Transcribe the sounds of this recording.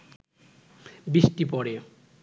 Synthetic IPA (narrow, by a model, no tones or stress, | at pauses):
bisʈipɔɽe